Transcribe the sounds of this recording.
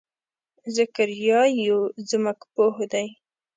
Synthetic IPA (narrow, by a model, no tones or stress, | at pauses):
zəkəɾjɑjozməɡpohd̪aj